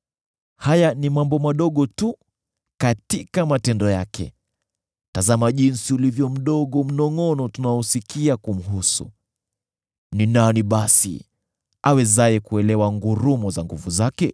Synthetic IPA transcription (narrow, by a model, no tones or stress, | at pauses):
hajanimambɔmaɗɔɠɔtu | katikamatɛndɔjakɛ̰ | tazamaʄinsiulivjɔm̩ɗɔɠɔm̩nɔŋɔnɔtunaɔsikiakum̩ɦusṵ | ninaniɓasḭ | awɛzaɛkuɛlɛwaŋɡuɾumɔzaŋɡuvuzakɛ